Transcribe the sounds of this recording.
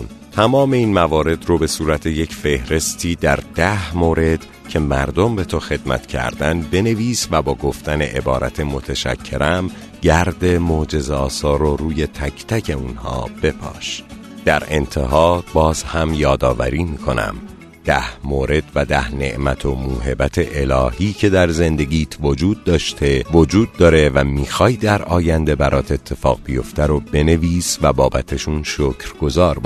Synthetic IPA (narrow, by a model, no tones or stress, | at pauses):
nt̪ʰæmɒːme̞iːnmævɒːɾe̞d̪ɾobe̞suːɾæt̪ʰe̞je̞cʰfe̞hɾe̞st̪ʰiːd̪æɾd̪̥æhmoːɾe̞d̪̥ | cʰe̞mæɾd̪o̞mbe̞t̪ʰoxe̞d̪̚mæ̰t̪cʰæ̰ɾd̪ænbe̞ne̞viːsvæbɒːɡo̞ft̪æne̞ʔebɒːɾʔæ̰t̪ʰe̞mo̞t̪ʰeʃæ̰cʰːe̞ɾʔæm | ɟæɾd̪e̞mod͡ʒe̞zeɒːsɒːɾoɾuːje̞t̪ʰæcʰt̪ʰæcʰe̞uːnhɒ̰ːb̥e̞pʰɒ̰ːʃ | d̪̥æɾe̞nt̪ʰe̞ɦɒːbɒːz̥hæmjɒːd̪ɒːvæ̰ɾiːmiːkʰo̞næ̰m | d̪̥æhmoːɾe̞d̪væd̪æhne̞̰ʔmæt̪ʰo̞muːɦe̞bæt̪ʰe̞ʔelɒːhiːcʰe̞d̪æɾze̞nd̪e̞ɡiːt̪ʰvod͡ʒuːd̪̚ːɒːʃt̪ʰe̞vod͡ʒuːd̪̚ːɒːɾe̞væmiːxɒːjd̪æɾɒːjænd̪e̞bæɾʔɒːt̪ʰe̞t̪ʰːe̞fɒ̰ːɣbijo̞ft̪æɾobe̞ne̞viːsvæbɒːbæt̪ʰe̞ʃuːnʃocʰɾɡ̥ozɒːɾb